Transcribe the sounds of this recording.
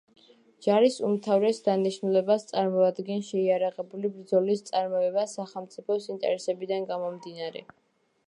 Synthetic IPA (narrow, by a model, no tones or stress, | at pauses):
d͡ʒaɾisumt̪ʰavɾɛsd̪aniʃnulɛbast̪sʼaɾmɔad̪ɡɛnʃɛiaɾaʁɛbulibɾd̪zɔlist̪sʼaɾmɔɛbasaχɛlˠmt̪sʼipʰɔsint̪ʼɛ̰ɾɛsɛbid̪anɡamɔmd̪inaɾɛ̰